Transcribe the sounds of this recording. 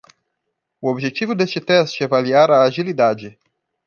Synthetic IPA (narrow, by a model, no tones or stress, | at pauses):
ʊobiʒet͡ʃivʊd̪est͡ʃɪt̪ɛst͡ʃɪɛvaliaɾaːʒilid̪ad͡ʒɪ